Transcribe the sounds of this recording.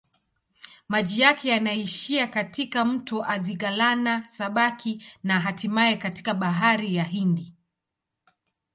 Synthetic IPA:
maʄijakɛjanaiʃiakatikam̩tɔʔaðiɡalanasaɓakʰinaɦatimaɛkati̥kaɓaɦaɾijaɦindi

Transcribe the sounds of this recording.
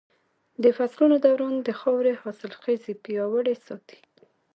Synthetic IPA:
d̪əfaslunod̪awɾɑnd̪əxɑwɾehɑsɪlxezipijɑwəɽesɑt̪i̥

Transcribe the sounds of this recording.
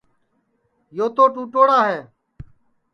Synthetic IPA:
joːt̪oːʈũːʈoːɽaːɦeː

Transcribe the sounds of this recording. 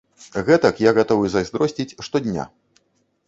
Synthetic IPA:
ɣɛt̪ɐkjaɣat̪ɔvɨzɐzʲd̪ɾɔsʲt͡sʲit͡sʲʂt̪ɔd̪ʲnʲa̰

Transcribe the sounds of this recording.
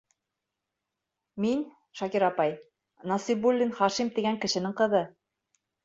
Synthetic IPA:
min | ʃɑkiɾɑpɑj | nɑsibulʲːinχɑʃimt̪iɡæŋkɘ̆ʃɘ̆nɘŋqɤ̆ðɤ

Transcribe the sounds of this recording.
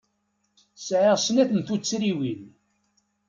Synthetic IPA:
sʕəʁsnæθənθut͡sːɾiwin

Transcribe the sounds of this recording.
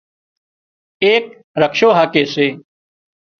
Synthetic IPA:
eːk | ɾəkʰʃoːɦaːkeːseː

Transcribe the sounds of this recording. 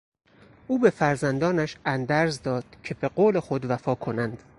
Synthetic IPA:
ʔuːbe̞fæɾzænd̪ɒːnæʃænd̪æɾzd̪ɒːd̪̥cʰe̞be̞ɡoːle̞xo̞d̪væfɒːkʰo̞nænd̪̥

